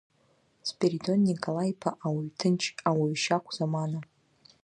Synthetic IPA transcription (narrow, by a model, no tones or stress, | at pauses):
spʰʲʼeɾido̞nːikʼolajpʰaʔawaɥtʰɨnt͡ʃʰʼawaɥʃakʷʰz̥amana